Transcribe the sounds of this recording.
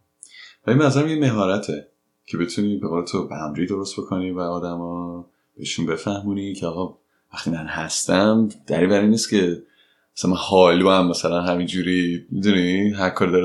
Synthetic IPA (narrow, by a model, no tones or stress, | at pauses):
vælimæzæɾæmjeme̞ɦɒːɾæt̪ʰe | cʰe̞be̞t̪ʰuniːbeɣole̞t̪ʰobæmɾid̪o̞ɾost̪bo̞kʰo̞nivæɒːd̪æmɒː | b̥eeʃunbe̞fæhmuːnicʰeɒːɣɒ | væxt̪ʰimænhæst̪æmd̪̥æ̰ɾiːbæɾiːnːistcʰe̞ | æsænmænhɒluæmːæsælænɦæmind͡ʒuːɾimid̪uniɦæɾkʰɒːɾid̪ɒɾ